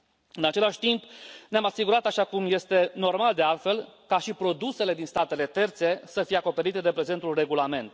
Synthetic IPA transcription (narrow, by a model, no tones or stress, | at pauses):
ɨnat͡ʃe̞laʃʲt̪impneamasiɡuɾat̪aʃakumje̞st̪e̞no̞rmald̪e̞alt̪fe̞lkaʃipɾo̞d̪use̞le̞d̪inst̪at̪e̞le̞t̪e̞rt̪se̞səfijeako̞pe̞ɾit̪e̞d̪e̞pɾe̞ze̞nt̪ulre̞ɡulame̞nt̪